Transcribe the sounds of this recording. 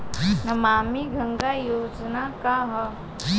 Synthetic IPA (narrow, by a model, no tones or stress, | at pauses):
nɐmamiɡʱəŋɡajod͡znakaɦə